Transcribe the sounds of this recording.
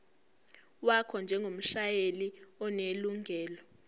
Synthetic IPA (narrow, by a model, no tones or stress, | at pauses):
wakʰɔnd͡ʒʱɛŋɡʱom̩ʃajeliɔneluŋʱɛːlɔ